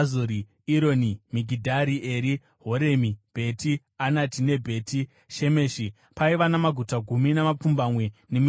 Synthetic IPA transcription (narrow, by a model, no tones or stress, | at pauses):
zoɾi | iɾo̞nimiɡʱidʱaɾiʔe̞ɾi | ɦo̞ɾemib̥ʱe̞tʰi | anatine̞bʱe̞ːtʰi | ʃe̞me̞ːʃi | paiʋanamaɡʱutaɡʱuminamap͡fumbamwe̞ne̞m